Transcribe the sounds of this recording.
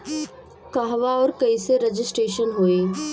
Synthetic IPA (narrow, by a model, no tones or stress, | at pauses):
kaɦʋaɔːɾkɐiseɾɐd͡ʒɪsʈɾeːʃənɦoːeː